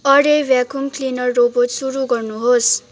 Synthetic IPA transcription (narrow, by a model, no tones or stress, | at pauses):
ʌɾebjakumklinʌrːoboʈsuɾuɡʌrnuɦos